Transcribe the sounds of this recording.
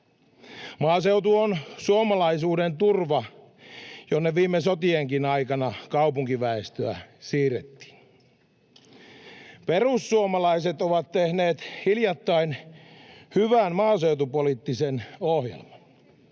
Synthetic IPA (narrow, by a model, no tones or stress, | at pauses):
mɑːsewt̪uonsuomɑlɑisuːdent̪urʋɑ | jonːeʋiːmːesot̪ieŋkinɑikɑnɑkɑupuŋkiʋæest̪øæsiːret̪ːi̥ːn | perusːuomɑlɑiset̪oʋɑt̪t̪ehne̞ːt̪hiljɑt̪ːɑin | hyʋænmɑːse̞wt̪upolit̪ːisenohjḛlmɑn